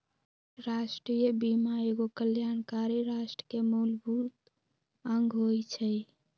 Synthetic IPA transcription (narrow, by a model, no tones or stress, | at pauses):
ɾasʈɾijəbimaeɡokəljankaɾiɾasʈəkemolbʱut̪ | əŋɡʱɦojt͡ʃʰə